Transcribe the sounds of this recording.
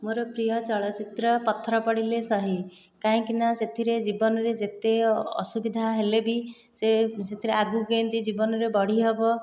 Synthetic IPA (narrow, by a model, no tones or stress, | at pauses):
moɾɔpɾijɔt͡ʃɔɭɔt͡ʃit̪ɾɔpɔt̪ʰːɾɔpɔɽilesɔɦi | kaĩkinaset̪ʰiɾed͡ʒibɔnɔɾed͡ʒet̪eɔ̰subid̪ʱaɦelebi | seset̪ʰiɾeaɡuɡent̪id͡ʒibɔnɔɾebɔɽ̤iɦebɔ